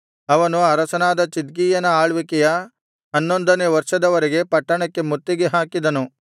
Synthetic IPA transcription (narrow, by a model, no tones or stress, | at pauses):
ɐʋɐnuɐɾɐsɐnaːd̪ɐt͡ʃid̪ɡiːjɐnɐaːɭʋikɛjɐ | ɐnːond̪ɐneːʋɐɾʂɐd̪ɐʋɐɾiɡe̞pɐʈːɐɳɐkːe̞mut̪ːiɡeɦaːkid̪ɐnu